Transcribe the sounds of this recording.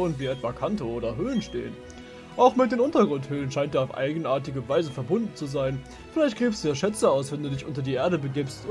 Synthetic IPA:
ənviːʔɛtv̥aːkʰantooːdɐɦøːlənʃtḛːən | ʔaʊxmɪt̚d̥eːnʔʊntɐɡʁʊnthøːlənʃaɪnt̚d̥iːaʊfʔa̰ɪɡən̩ʔaːɐtɪɡəvaɪzəfɛɐbʊndn̩t͡suzaɪn | fɪlaɪçt̚ɡ̥ʁiːfəsd̥uːjaːʃɛt͡səaʊsv̥ɛnduːdɪçʔʊntɐdiːʔeːɐɾəbəɡiːpst

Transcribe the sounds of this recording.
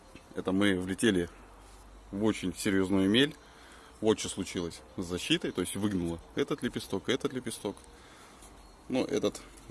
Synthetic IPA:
ɛt̪əmɨvlʲɪtʲelʲɪ | vo̞t͡ɕɪnʲsʲɪɾʲjo̞znujʊmʲelʲ | vo̞t͡ɕɪslˠʊt͡ɕilˠəsʲzɐɕːit̪əjt̪o̞jɪsʲtʲvɨɡnʊlˠəɛt̪ət̪lʲɪpʲɪst̪o̞kɨɛt̪ət̪lʲɪpʲɪst̪o̞k | nuʔɛ̰t̪ət̪

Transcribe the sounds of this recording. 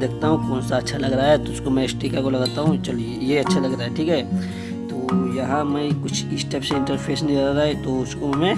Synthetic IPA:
d̪eːk̚ʰt̪aɦũkɔːnsaɐtːʃʰalɐɡɾaaɦɛt̪oʊskomɛ̃ɪsʈiːkakolɐɡət̪aɦũt͡ʃɐl | jeɐtːʃʰalɐɡɾaːɦeʈʰiːkɦɛː | t̪oːjɐɦãmɛĩkʊt͡ʃʰisʈeːpseɪ̃ɳʈəɾpʰeːsnĩlɐɡɾaet̪oʊskomẽ

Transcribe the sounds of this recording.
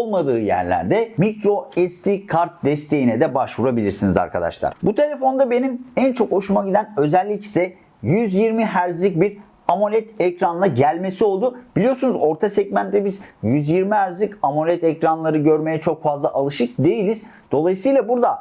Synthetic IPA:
olˠmad̪ɯːjæ̰ɾlʲæ̰ɾd̪ɛmicɾo̞ɛst̪ʰikʰaɾt̪̚d̪ɛst̪ʰe̞jinɛd̪ɛbaʃvuɾabilʲiɾsiniza̰ɾkʰa̰d̪a̰ʃlˠa̰ɾ̥but̪ʰe̞lʲefo̞nd̪abe̞nimænt͡ʃʰo̞ko̞ʃumaɟid̪ænø̞zælʲːicsɛ | jyzjiɾmiɦæɾzlʲic̚biɾ | amolʲɛt̪ɛcɾanlˠaɟælʲme̞sio̞lˠd̪ub̥ilʲijosunuzo̞ɾt̪ʰasɛɟmænt̪ʰːɛbizjyzjiɾmiɦæɾzlʲicamo̞lʲɛt̪ɛcɾanlˠaɾɯɟø̞ɾme̞jɛt͡ʃʰo̞kfazlˠaʔalˠɯʃɯk̚d̪e̞jilʲiz̥ | d̪̥o̞lˠajisɯjlˠabuɾd̪a

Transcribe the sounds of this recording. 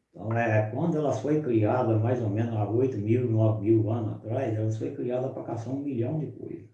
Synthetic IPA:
t̪ʰɐ̰̃w̃ɛkwɐ̃nd̪ʊɛlɐfojkɾiad̪ɐmajzomẽnʊaojt̪ʊmiwinɔvɪmiwɐ̃nʊa̰t̪ɾajzɛlɐsfojkɾiad̪ɐpɾɐkasɐ̃w̃ũmiʎɐ̃w̃d͡ʒɪpo̰jzʊ

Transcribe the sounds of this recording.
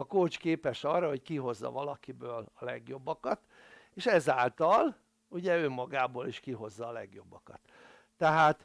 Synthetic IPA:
ɒkoːt͡ʃkeːpɛʃɒrːɒɦo̞ckiɦo̞zːɒ̰vɒlɒkibøːlɒlɛɡjo̞bːɒkɒt̪ | eːʃɛzaːlt̪ɒl | uɟɛøːmɒɡaːboːliʃkiɦo̞zːɒːlɛ̰ɡjo̞bːɒkɒt̪ː | ɛɦaːt̪

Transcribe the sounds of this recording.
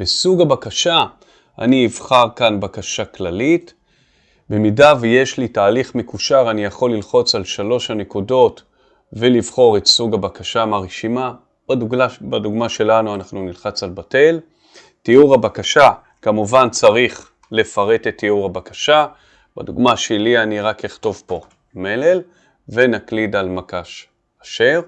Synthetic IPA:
besuɡabakaʃa | a̰niːvχaʁkanbakaʃaklalit | bemidaveje̞ʃlitaːliχme̞kuʃaʁanijaχo̞lːilχo̞t͡salʃalo̞ʃhane̞kudo̞t | velivχo̞ʁetsuɡabakaʃamaʁeʃima | b̥aduɡmabaduɡmaʃe̞lanuanaχnunilχat͡salbate̞l | tiuʁabakaʃa | kamuvant͡saʁiχ | le̞faʁe̞tetːiuʁabakaʃa | ba̰duɡmaʃelianiʁakeχto̞vpo̞ | melel | venaklidalmakaʃ | aʃeʁ

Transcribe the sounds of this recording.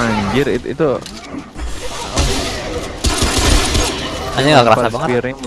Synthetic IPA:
aɲd͡ʒɪrit̪ḭt̪u | aɲaŋɡakəɾasabaŋət̪ɾ

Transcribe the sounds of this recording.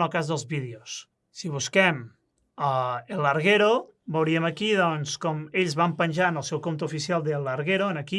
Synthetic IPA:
əlˠkazðəlˠzβiðeos | siβ̞uskɛm | aelːəɾɣeɾo | bowɾiəməkiðɔnskɔmeʎzβampənʲʒanəlˠsɛwkomt̪uːfisialˠd̪əlːəɾɣeɾoənəki

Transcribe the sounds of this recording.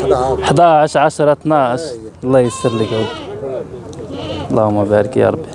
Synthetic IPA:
ħd̪æʕaʃʕaʃɾˤɑt̪naʃ | lˤːɑjəsəɾˤləkud̪ | lˤːɑhʊmːæbæɾkjɑ̰ɾˤɑbi

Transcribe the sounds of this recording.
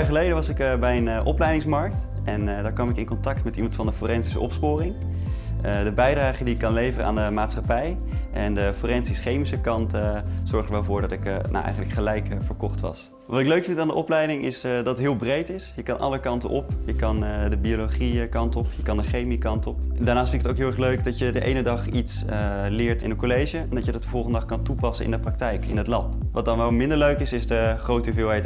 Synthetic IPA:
χəlejdəʋɑsɪkbɛjənʔɔplɛjdɪŋsmɑɹk̚t | ɛndaːɹkʋɑmɪkɪnkɔntɑk̚tmɛtimɑntfɑndəforɛnsisə̰ʔɔ̰pspʊːrɪŋ | ədəbɛjdraːχədiɪkːɑnlejvərəʔa̰ːndəmaːtsχɑpɛj | ʔɛndəforɛnsisχejmisəkɑntz̥ɔɹχdəɹʋɛlˠvʊːɹdɑtɪkna̰wʔɛ̰jχənləkχəlɛjkfəɹkɔχtʋɑ̰s | ʋɑtɪkløɥkfɪntaːndəʔɔplɛjdɪŋʔɪsdɑtətɦɪːlˠbrejtɪsjəkɑnʔɑ̰ləkɑntəʔɔpjəkɑndəbiolowχiəkɑntɔpjəkɑndəχejmikɑntɔpdaːnaːfɪntɪkətoʊwkɦɪːlˠɛɹχløɥkdɑtjədəʔḛjnədɑχits | əlɪːɹtɪ̰nəkolejʒəɛndɑtjədɑtəvɔlˠχəndədɑχkɑntupɑsə̰nɪ̰ndəprɑk̚tɛjkɪ̰nətlɑpʋɑt̚dɑnʋɛlˠmɪndəɹløɥkɪsɪsdəχrowtəyvɪːlˠɦɛjt

